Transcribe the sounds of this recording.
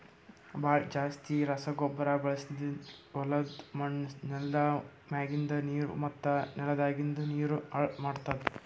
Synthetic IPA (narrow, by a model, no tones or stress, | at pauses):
baːd͡ʒaːst̪iɾɐsɐɡɔbːɐɾɐbɐɭɐsid̪iʋɔlɐd̪mɐɳnɛldɐmaːɡind̪ɐniːɾṵmɐt̪ːɐnɛlɐd̪aːɡind̪uniːɾuɐmaːɖt̪ɐd̪e